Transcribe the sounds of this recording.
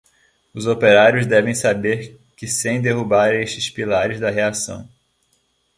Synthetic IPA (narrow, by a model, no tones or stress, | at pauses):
ʊzopeɾaɾjʊzd̪ɛvẽj̃sabeɾ | kɪsẽj̃d̪eɦubaɾeʃt͡ʃɪspilaɾɪzd̪ɐɦeasɐ̰̃w̃